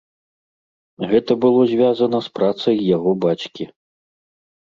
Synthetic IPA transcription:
ɣɛt̪ɐbɨlˠɔzʲvʲazɐnɐspɾat̪sɐjːaɣɔbat͡ʃkʲi

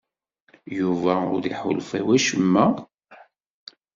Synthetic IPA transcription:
juvæʊɾðiħʊlfæwæʃəmːæ

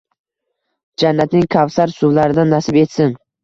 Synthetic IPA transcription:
d͡ʒanːat̪nɪŋkʲʰavsaɾsʊvlaɾɪd̪anːasɪbe̞t̪sɪŋ

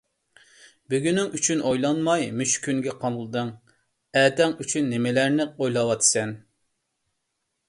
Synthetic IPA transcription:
byɡʲynɪŋyt͡ʃʰynʔojlˠɑnmɑjmyt͡ʃkʲynɡʲɛqʰɑnˠlˠɨd̪ɨŋ | ɛːd̪ɛŋyt͡ʃʰynːɪmɪlæɾnɪojlˠɑwɑt̪ʰɨ̥sɛn

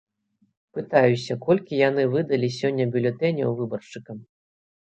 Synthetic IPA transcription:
pɨt̪ajusʲɐkɔlʲkʲijanɨvɨd̪ɐlʲisʲɔnʲːɐbʲulʲɛt̪ɛnʲɛ̰wvɨbɐrʂɨkɐm

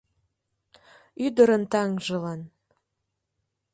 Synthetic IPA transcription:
yd̪əɾənt̪ɑŋʒə̆lɑn

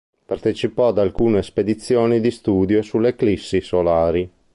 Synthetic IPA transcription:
part̪et͡ʃipɔad̪alkuːnesped̪it̪sːjoːnid̪ist̪uːd̪joesulːeklisːisolaːɾi

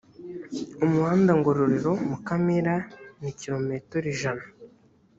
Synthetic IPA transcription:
umuhaːndaŋɡoɾoɾiɾo̞mukamiɾaniciɾo̞metoɾiʒana

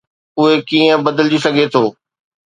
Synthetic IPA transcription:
ʊɦekiːə̃bɐd̪əld͡ʑisɐɡʱet̪ʰoː

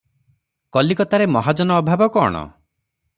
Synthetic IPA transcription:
kɔlikɔt̪aɾemɔɦad͡ʒɔnɔːbʱabɔkɔ̰ːɽ̃ɔ̰

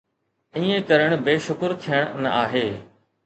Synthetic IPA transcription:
ĩːẽkɐɾəɽ̃beːʃʊkɾt̪ʰijəɽ̃nɐ̰ʔaːɦeː

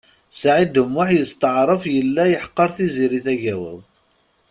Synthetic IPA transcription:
sʕid̪əmːʊħjəst̪əʕɾˤəfjəlːæjəħqːɑɾˤθiziɾiθæʝæwə̰ð

